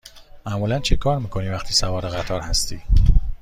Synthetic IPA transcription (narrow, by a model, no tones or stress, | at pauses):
mæmuːlænt͡ʃʰe̞kʰɒːɾmiːkʰo̞niːvæxt̪ʰiːsævɒːɾeɣæt̪ʰɒːɾhæst̪iː